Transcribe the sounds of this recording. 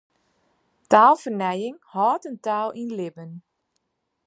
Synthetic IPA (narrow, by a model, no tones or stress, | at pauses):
taːlˠfərnɛjɪŋhɔːtəntaːlˠinlɪbən